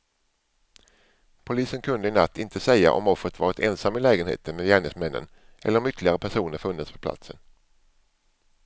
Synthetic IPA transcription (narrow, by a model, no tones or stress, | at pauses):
pʰʊliːsənkʰɵnd̪əɪnat̪ʰːɪnt̪ʰəsɛjːa̰ʔɔ̰mɔfːɾət̪vɑːɾɪt̪ʰɛnsamːɪlɛːɡənhḛːt̪ʰənmeːd̪jæːɳɪŋsmɛnːə̰n | ʔɛ̰lːəɾɔmʏt̪ʰlɪɡaɾəpʰæʂuːnəɾfɵnd̪əspʰɔ̥pʰla̰t̪sə̰n